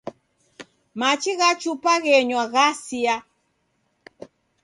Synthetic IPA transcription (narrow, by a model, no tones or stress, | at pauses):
mat͡ʃiɣat͡ʃupaɣɛɲwaɣasia